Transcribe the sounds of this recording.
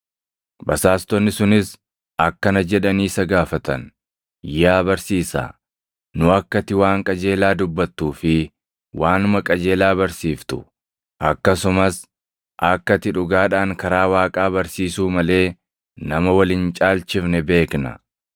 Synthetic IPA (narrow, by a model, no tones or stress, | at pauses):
bɐsaːst̪ɔnːɪsʊnɪs | ɐkːɐnɐd͡ʒɛᶑɐniːsɐɡaːfɐt̪ɐn | jaːbɐɾsiːsa̰ | nʊɐkːɐt̪ːɪwaːŋkʼɐd͡ʒe̞ːlaːd̪ʊbːɐt̪ːuːfɪ | waːnʊmɐkʼɐd͡ʒe̞ːlaːbɐɾsiːft̪ʊ̥ | ʔɐkːɐsʊmɐs | ʔɐkːɐt̪ɪᶑʊɡaːᶑaːŋkɐɾaːwaːkʼaːbɐɾsiːsuːmɐle̞ː | nɐmɐwɐlɪnt͡ʃʼaːlt͡ʃɪfnɛbe̞ːknɐ̰